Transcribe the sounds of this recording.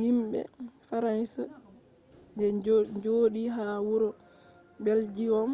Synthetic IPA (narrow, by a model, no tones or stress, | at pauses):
himbɛ̰faɾansa | ɡɛɲd͡ʒoːɗiɦaːwuɾɔ | bɛld͡ʒiwɔm